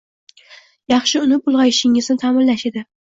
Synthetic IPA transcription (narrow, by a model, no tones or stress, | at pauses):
jɑχʃɪʊnɪbʊlˠʁɑjɪʃɪŋɪznɪt̪ʰamɪnlaʃed̪ɪ